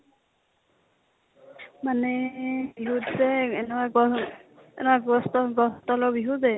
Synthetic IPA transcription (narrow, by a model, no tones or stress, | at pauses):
manɛbiɦutsɛɛnaɡɔ | ɛ̰nɛwaɡɔstɔɡɔstɔlɔbiɦudɛ